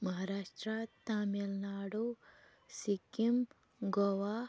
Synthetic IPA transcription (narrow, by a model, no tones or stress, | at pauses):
mɐɦaːɾaːʂʈɾɐt̪aːmjɐlnaːɽu | sikim | ɡoʋa